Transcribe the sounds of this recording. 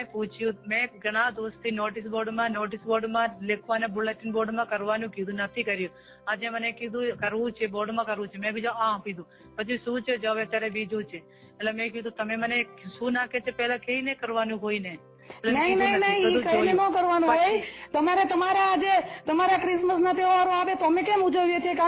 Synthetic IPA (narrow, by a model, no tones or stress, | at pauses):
mẽpũt͡ʃʰjũmẽɡəɽ̃ãd̪ost̪ʰinoʈɪs̬boːɾɖmãnoːʈɪsboːɾɖmãlekʰʋanebʊleʈinboːɾɖmãkəɾʋanjũkid̪ũnət̪ʰikəɾjũ | ad͡ʒemənekid̪ʱũkəɾʋũt͡ʃʰeboːɾɖmãkəɾʋũt͡ʃʰemɛ̃bid͡ʒũãpid̪ũ | pət͡ʃʰiʃũt͡ʃʰed͡ʒəʋet̪jaɾebid͡ʒũt͡ʃʰeː | ʈlemɛ̃kid̪ũt̪əmeməneʃũnakʰet͡ʃʰepɛɦlãkeinekəɾʋanjũɦoine | elenəɦĩnɦinəɦĩəd̪ũkəinenõkəɾʋanũɦojt̪əmaɾet̪əmaɾaːd͡ʒet̪əmaɾakɾɪsməs̬nat̪eoʋaɾõaʋet̪oəmekemud͡ʒəʋjet͡ʃʰieka